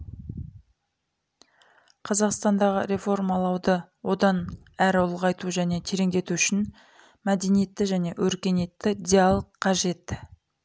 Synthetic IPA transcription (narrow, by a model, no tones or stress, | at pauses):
qʰɑzɑqst̪ɑnd̪ɑʁəɾe̞fo̞rmɑlˠɑwd̪əwo̞d̪ɑn | æɾʊlˠʁɑjt̪uʒæne̞t̪ʰeɾe̞ŋd̪e̞t̪uʏʃɪn | mæd̪e̞nije̞t̪ːɪʒæne̞wʔɵɾkʲe̞ne̞t̪ːɪd̪ʲialˠoqʰːɑʒe̞t̪